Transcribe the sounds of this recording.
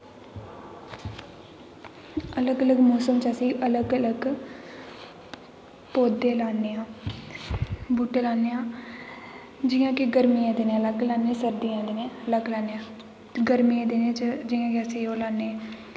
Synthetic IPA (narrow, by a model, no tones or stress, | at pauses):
ələɡələɡmɔːsəmt͡ʃəsĩːʔələɡələɡ | poːd̪eːlaːneːãː | buːʈeːlaːneːãː | d͡ʒɪjãːkɪɡəɾmiãːd̪eːnẽləɡlaːnẽːsəɾd̪iːãːd̪eːnẽːləɡlaːneːãː | ɡəɾmiãːd̪enẽːt͡ʃd͡ʒɪjãːkɪəseːoːlaːnːe